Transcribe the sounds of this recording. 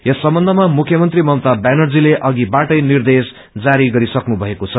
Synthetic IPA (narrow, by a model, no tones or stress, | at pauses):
jʌsːʌmbʌnd̪ʱʌmamukʰjʌmʌnt̪rimʌwt̪abanʌrd͡zileʔʌɡibaʈʌjnird̪es | d͡zaɾiɡʌɾisʌknubʱʌekot͡sʰʌ